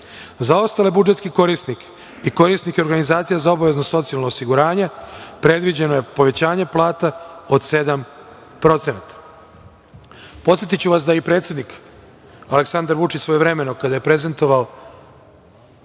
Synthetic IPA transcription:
zao̞st̪alebud͡ʒet̪kiko̞ɾisnik | iko̞ɾisnikeɾɡanizaːt̪sijazao̞baʋe̞znoso̞t̪sijalnoosiɡuɾaːɲepɾed̪ʋid͡ʑenoje̞po̞ʋe̞t͡ɕaːɲeplˠaːt̪ao̞d̪sed̪am | pɾo̞t̪senat̪ḁ | po̞t̪sjet̪it͡ɕuʋas̬d̪aipɾet̪sjed̪nik | aleksand̪aɾʋut͡ʃit͡ɕsʋo̞jeʋɾe̞me̞nokad̪aje̞pɾe̞ze̞nt̪o̞ʋao

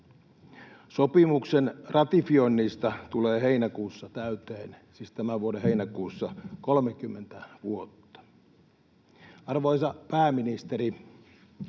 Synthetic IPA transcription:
sopimuksenrʔɑt̪ifionːist̪ɑt̪uleːɦeinækuːsːɑt̪æyt̪eːnsiːst̪æmæʋuodeheinækuːsːɑkolmek̟ymːent̪æʋuot̪ːɑ̥ | ɑrʋoisɑpæːminist̪eɾi

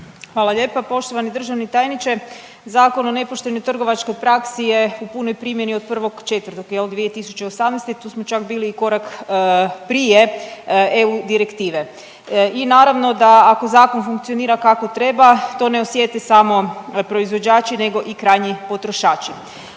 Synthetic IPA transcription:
xʋaːlaʎe̞ːpapo̞ʃt̪o̞ʋanid̪r̩ʒaʋnit̪aːjnit͡ʃe | zaːko̞no̞ne̞poʃt̪e̞nojt̪r̩ɡo̞ʋat͡ʃko̞jpɾaksije̞upunojpɾimje̞niod̪̚pr̩ʋo̞ɡt͡ʃe̞t̪ʋərɾt̪okjeld̪ʋie̞t̪isu̥t͡ʃeosamnejst̪et̪uːsmot͡ʃakbiːliːko̞ɾak | pɾije̞ | eud̪iɾekt̪iːʋe | inaːɾaʋno̞d̪aːko̞zaːko̞nfuŋk̚t̪sio̞niːɾakako̞t̪ɾe̞bat̪o̞ːne̞osje̞t̪esamo̞pɾo̞izʋo̞d͡ʑaːt͡ʃine̞ɡo̞ʔikɾajɲipo̞t̪ɾoʃaːt͡ʃi

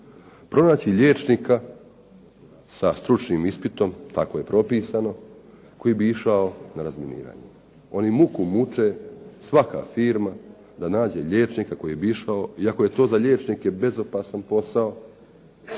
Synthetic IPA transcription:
pɾo̞naːt͡ɕiʎe̞ːt͡ʃnika | sast̪ɾut͡ʃniːmispit̪o̞mt̪ako̞je̞pɾo̞piːsano̞ | ko̞jibiiʃaonaɾazminḭːɾa̰ːɲḛ | o̞nimukumut͡ʃesʋaka̰fiːɾma | d̪anaːd͡ʑe̞ʎe̞ːt͡ʃnikako̞jibiiʃaoiako̞je̞t̪o̞ːzaʎe̞ːt͡ʃnike̞be̞zo̞paːsanpo̞sao

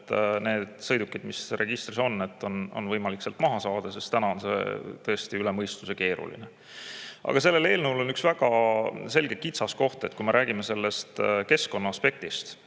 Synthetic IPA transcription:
t̪ːne̞ːd̪̥sɤ̞jd̪ukːid̪̥misre̞ɡ̥ist̪riso̞nːe̞t̪ːo̞no̞̰nvɤjmɑlikse̞lt̪ːˑmɑɦɑsɑːd̪̥ɑsest̪ænɑonse̞̰t̪ɤ̞est̪iylemɤjst̪use̞ke̞ːɾṵlḭnḛ | ʔɑ̰ɡ̥ɑse̞lːe̞le̞ːlnəulo̞nyksvæɡ̥ɑse̞lɡ̥ekit̪sɑsko̞ht̪e̞t̪kujme̞ɾʔæːɡ̥ime̞se̞lːe̞st̪ke̞sko̞nːɑɑspe̞k̚t̪ist̪

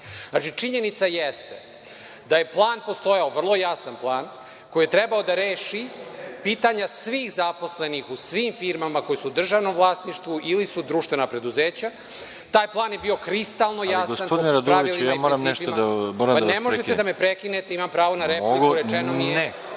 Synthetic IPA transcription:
nat͡ʃit͡ʂiɲe̞nit̪sajest̪e | d̪aje̞plˠaːnpost̪o̞jaovr̩lˠo̞jasanplˠaːn | ko̞jijet̪ɾɛbaod̪aɾeːʃipiːt̪aɲasʋiːxzapo̞sle̞nixusʋiːmfiɾmamako̞jisuːd̪r̩ʒaːʋno̞mvlˠaːsniʃt̪ʋuʔilisud̪ɾuʃt̪ʋe̞napɾe̞d̪uzeːt͡ɕa | t̪aːjplˠaːnjebiːo̞kɾist̪alˠno̞jasɡosanpod̪inɾad̪ɾaiilijaːmoɾammnɛʃiod̪amoɾampd̪anemoʒet̪ed̪amepɾekinet̪eimampɾaːʋo̞naɾepliɡkuɾet͡ʃenommijeɛ

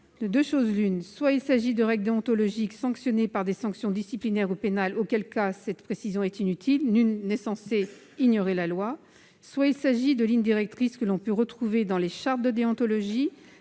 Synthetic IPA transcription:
d̪øʃozlynswailsaʒid̪əʁɛɡld̪eɔ̃t̪ɔlɔʒiksɑ̃ksjɔnepaʁd̪esɑ̃ksjɔ̃d̪isiplinɛʁupenalokʲɛlkasɛt̪pχesizjɔ̃ɛt̪inyt̪ʰilnylːɛsɑ̃se | iɲjɔʁelalwa | swailsaʒid̪əlind̪iʁɛk̚t̪χiskəlɔ̃pøʁət̪χuved̪ɑ̃leʃaʁt̪̚d̪əd̪eɑ̃t̪ɔlɔʒi

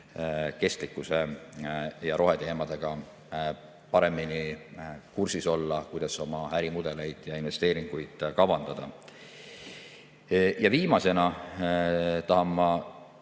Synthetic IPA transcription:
ke̞st̪likˑːuse̞ | jɑɾʔo̞ɦe̞t̪ehemɑd̪̥e̞ɡ̥ɑ | pɑɾe̞mːini | kursiso̞lːɑkujd̪̥ɑso̞mɑæɾimud̪̥e̞le̞jd̪̥jɑinve̞st̪e̞ːɾiŋɡ̥ujd̪̥kɑwvɑnd̪̥ɑd̪̥ɑ | jɑviːmɑse̞nɑ | t̪ɑɦɑmːɑ

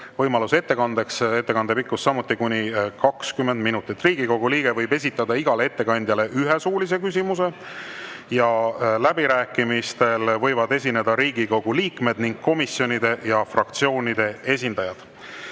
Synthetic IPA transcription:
vɤjmɑluse̞t̪ːe̞kɑnd̪e̞kse̞t̪ːe̞kɑnd̪e̞pikːˑusːɑmut̪ˑːikunʲikɑkskymːend̪minut̪ːˑit̪ːˑriːɡ̥iko̞ɡ̥uliːɡ̥e̞vɤ̞jbe̞s̬ʲit̪ːˑɑd̪ɑiɡ̥ɑlee̞t̪ːe̞kɑnʲd̪̥jɑle̞ʔyɦe̞suːlis̬e̞kys̬ʲimuse̞ | jɑlæbiɾæːkːimist̪e̞lvɤ̞jvɑd̪e̞s̬ʲine̞d̪ɑɾiːɡ̥iko̞ɡ̥uliːkme̞d̪niŋɡ̥̚kːo̞misjo̞nid̪e̞jɑfrɑkt̪sio̞ːnʲid̪̥e̞e̞s̬ʲind̪ɑjɑd̪̥

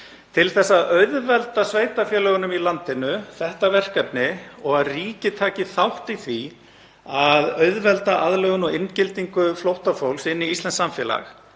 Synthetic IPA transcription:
t̪ʰɪlθɛsːaðœɥðvɛlt̪asveːjt̪afjɛːlœɣʏnʏmilant̪ɪnʏθɛht̪avɛr̥kɛpnɪɔɣaðriːcɪt̪ʰaːcɪθawht̪iθvi | aðœɥðvɛlt̪aʔaðlœɣʏnɔɣɪncɪlt̪iŋkʏflowht̪afowlsɪnːiist̪ɛnsamfjɛːla̰x

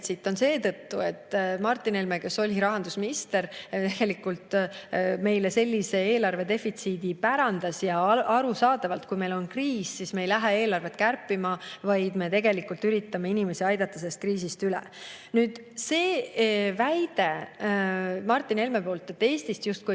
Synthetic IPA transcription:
t̪sit̪ːˑo̞nse̞ːt̪ɤt̪ːue̞t̪ːmɑrt̪ːˑine̞lmeke̞so̞lʲiɾɑɦɑnd̪̥usminist̪e̞ɾt̪e̞ɡ̥e̞likːult̪ | me̞jlese̞lʲːise̞eːlɑrve̞d̪e̞fit̪siːd̪ipæɾɑnd̪̥ɑsjɑɑɾusɑːd̪ɑvɑlt̪kujme̞jlo̞nkriːsːisme̞ejlæɦee̞ːlɑrve̞t̪kærpːˑimɑvɑjd̪me̞t̪e̞ɡe̞likːˑult̪yɾit̪ːɑme̞inime̞siɑjd̪̥ɑt̪ːˑɑse̞lːest̪̚kriːsist̪ylḛ | nyːd̪̥ | se̞ːvæjd̪̥e̞ | mɑrt̪ːˑine̞lme̞po̞ːlt̪ːˑet̪ːe̞ːst̪ist̪just̪̚ku

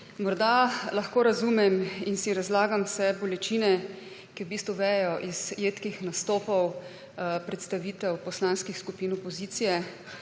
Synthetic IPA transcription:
mɔɾd̪alɐxkoːɾazumɛminsiɾazlaːɡamsɛbɔlɛt͡ʃiːnɛ | kiwbiːst̪ʋuʋɛjɛjɔʔiz̥jeːt̪kixnast̪oːpɔw | pɾɛt̪st̪aʋiːt̪ɛwpɔslanskixskupiːnɔpɔziːt̪sijɛ

